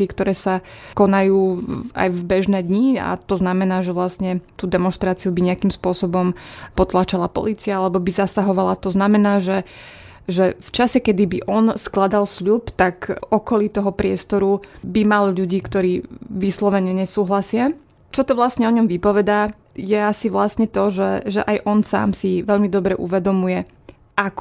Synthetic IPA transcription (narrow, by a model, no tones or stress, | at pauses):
ɛkt̪ɔɾɛːsakɔnajuːa̰jvbɛʒnɛːd̪ɲia̰t̪ɔznamɛnaːʒɛʋlastɲɛt̪uːd̪ɛmɔnʃt̪ɾaːt͡siubiɲɛakimspʊɔsɔbɔmpɔt̪lat͡ʃalapɔ̰liːt͡siaalɛbɔbizasaɦɔʋalat̪ɔznamɛnaːʒɛ | ʒɛft͡ʃasɛkɛd̪ibiʔɔnsklad̪alsʎupt̪akɔkɔlit̪ɔɦɔpɾɪɛst̪ɔɾubimalʎuɟiːkt̪ɔɾiːʋislɔʋɛɲɛɲɛsuːɦlasɪa | t͡ʃɔt̪ɔʋlasɲɛɔɲɔmʋipɔʋɛd̪aː | jɛasiʋlasɲɛt̪ɔʒɛʒɛʔajʔɔnsa̰ːmsiʋɛʎmid̪ɔbɾɛʔṵʋɛd̪ɔmujɛ | ʔak